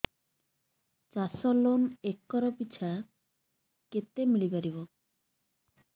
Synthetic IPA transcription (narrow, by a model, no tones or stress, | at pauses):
t͡ɕasɔlonekːɔɾɔpit͡ɕʰa | ket̪emiɭipaɾibo